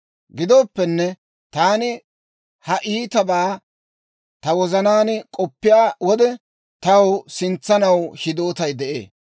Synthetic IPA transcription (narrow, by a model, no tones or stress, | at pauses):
ɡɪd̪oːpːɛnːɛ | t̪aːnɪ | hɐʔiːt̪ɐbaː | t̪ɐwɔzɐnaːnkʼɔpːɪjaːwɔd̪ɛ | t̪ɐwsɪnt͡sːɐnɐwʃɪd̪o̞ːt̪ɐjd̪ɛʔḛː